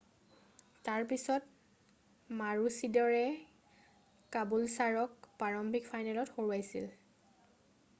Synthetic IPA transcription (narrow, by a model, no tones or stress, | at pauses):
taɹpisɔt | maɹusidɔɹɛ | kabulsaɹɔkpaɹɔmbʱikfʰajnɛlɔtxoɹuajsḭl